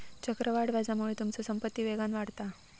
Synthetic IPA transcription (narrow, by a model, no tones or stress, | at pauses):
t͡ɕəkɾəʋaɽʋad͡zamuɭet̪umt͡səsəmpət̪ːiːʋeɡanʋaɽt̪a